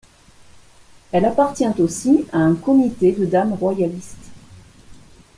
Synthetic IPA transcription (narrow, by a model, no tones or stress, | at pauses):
ɛlapaʁt̪jɛ̃t̪osiaɛ̃kɔmit̪ed̪əd̪amʁwajalist̪